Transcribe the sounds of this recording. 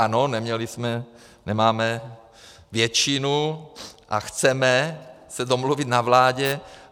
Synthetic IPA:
anonɛmɲɛlismɛ | nɛmaːmɛ | vjɛt͡ʃinu | ʔa̰xt͡sɛmɛsɛdomluvit̪navlaːɟɛ

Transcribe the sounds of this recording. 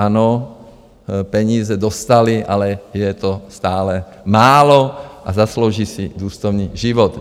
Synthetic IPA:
ano | pɛɲiːzɛd̪ɔst̪aliʔalɛjɛt̪ost̪aːlɛ | maːloʔazaslowʒiːsid̪uːst̪owɲiːʒiʋɔt̪

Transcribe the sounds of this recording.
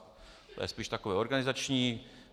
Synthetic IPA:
t̪ojɛ̰spiːʃt̪akovɛːo̞ɾɡanɪzat͡ʃɲiː

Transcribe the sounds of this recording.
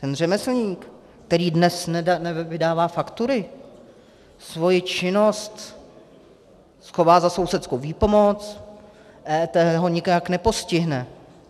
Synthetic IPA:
t̪ɛnr̝ɛmɛsl̩ɲiːk | t̪ɛɾiːdnɛsnanɛvɪdaːvaːfakt̪uɾɪ | svo̞jɪt͡ʃɪno̞st̪ | sxo̞vaːzaso̞wsɛt̪skowviːpo̞mo̞t͡s | ʔɛt̪ɛɦoɲɪkaknɛpo̞scɪɦnɛ

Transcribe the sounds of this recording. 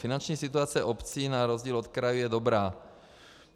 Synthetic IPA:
fɪnant͡ʃɲiːsɪt̪uat͡sɛʔopt͡siːnaɾozɟiːlot̪kɾajujɛdobɾaː

